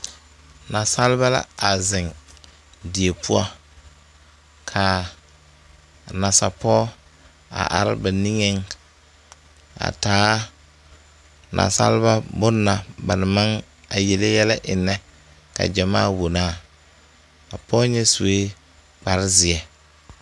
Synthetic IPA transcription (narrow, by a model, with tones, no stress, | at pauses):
na˨sa˦lba˦la̰˦a˨zɪ˨ŋ | di˨e˨pʰʊ˦a̰˦ | kʰa˨ | na˨sa˨pɔː˦ | a̰˨ʔa̰˨ɾɪ̰˦ba˨ni˦ŋɛ˦ŋ | a̰˨taː˦ | nʔa̰˨sa̰˦lba˦bʊ˦nːa˨ba˨na˨ma˦ŋ | a˨je˨le˦jɛ˦la˦ʔɪ˨nːɛ˦ | ka̰˨d͡ʒɛ˨ma̰ː˦˨wo˨naː˦˨ | a˨pɔː˦ɲɛ˦su˨e˦ | k͡pa˨ɾɪ˦zɪ˨ɛ˨